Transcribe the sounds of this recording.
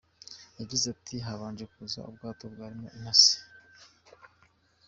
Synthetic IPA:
jaɟizatʰiɦaβaːnd͡ʒekuza̰ubɡaːtobɡaːɾimo̰ʔinasi̥

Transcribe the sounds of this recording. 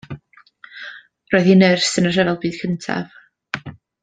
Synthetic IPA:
roːðinərsənə̥r̥ɛvɛlˠbiːd̥kʰəntʰa̰v̥

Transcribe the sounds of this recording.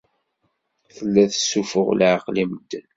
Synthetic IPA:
θəlːæθəsːufə̰ʁlʕəqliməd̪̥

